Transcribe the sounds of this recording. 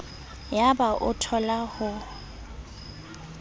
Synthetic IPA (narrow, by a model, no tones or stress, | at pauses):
jabaʔʊtʰɔlahʊ